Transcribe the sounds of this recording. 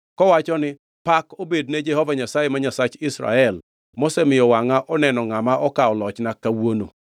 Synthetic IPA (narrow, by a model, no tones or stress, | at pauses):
kɔwat͡ʃɔnɪ | pakobedned͡ʒɛhovaɲasajemaɲasat͡ʃɪsɾa̰ɛl | mosɛmɪjɔwaŋaʔɔnɛnɔŋamaʔɔkaɔlɔt͡ʃnakawono̰